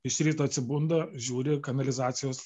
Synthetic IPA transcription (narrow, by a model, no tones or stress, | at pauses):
ɪʃɾʲiːt̪oːɐt̪ʲsʲɪbund̪ɐʒʲuːɾʲɪkɐnɐlʲɪzɑːt̪sʲɪjoːs